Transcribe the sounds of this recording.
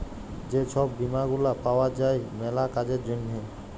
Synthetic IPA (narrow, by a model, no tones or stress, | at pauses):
d͡ʒet͡ʃʰɔbːimaɡulapawad͡ʒajmɛlakad͡ʒed͡ʒunːʱe